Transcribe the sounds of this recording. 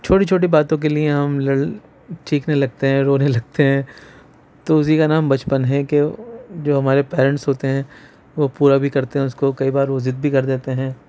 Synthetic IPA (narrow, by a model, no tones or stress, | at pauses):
t͡ʃʰoːʈit͡ʃʰoːʈ̬ibaːt̪õk̬elieɦɐmlɐɽ | t͡ʃiːknelɐɡ̚t̪eɦɛ̃ːɾoːnelɐɡ̚t̪eɦɛ̃ː | t̪oʊs̬ikanaːmbɐt͡ʃpənɦɛ̃ked͡ʒoːɦɐmaːɾepɛːɾə̃ɳʈsɦoːt̪eɦɛ̃ː | ʋopuːɾabʱikɐɾt̪eɦɛ̃ʊskokɐibaːɾʋozɪt̪̚bʱikɐɾd̪eːt̪eɦɛ̃ː